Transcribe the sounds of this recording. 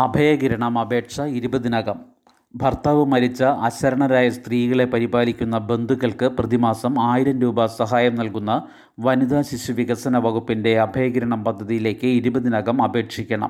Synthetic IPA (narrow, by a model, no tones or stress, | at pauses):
ɐbʱɐjɐɡiɾɐɳɐmɐbʱe̞ːʈʂɐiɾubɐðinɐɣɐm | bʱɐrt̪ɐʋɨmɐɾit͡ɕːɐʔɐt͡ɕːɐɾɐɳɐɾaːjɐst̪riːɣɐɭe̞pɐɾibaːlikʲːunːɐbe̞nd̪ʱuɣɐɭkɨprɐðimaːsɐmaːjiɾɐnɾuːbɐsɐɦaːjɐmnɐlkunːɐ | ʋɐnid̪aːɕiɕuʋiɣɐsɐnɐʋɐɣupːinde̞ɐbʱɐjɐɡiɾɐɳɐmpɐd̪ʱːɐðijile̞ːkːɨiɾubɐðinɐɣɐmɐbʱe̞ːʈʂikʲːɐɳɐ̰m